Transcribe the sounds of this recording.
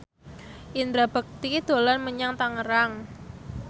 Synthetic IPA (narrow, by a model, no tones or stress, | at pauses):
ʔind̪ɾabə̤k̚t̪id̪̥o̤lanməɲaŋt̪aŋəɾaŋ